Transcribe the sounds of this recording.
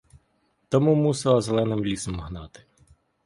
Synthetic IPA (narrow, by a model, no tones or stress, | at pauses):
t̪ɔmumusɪlˠɐzelˠɛnɪmlʲisɔmɦnɑt̪ɪ̥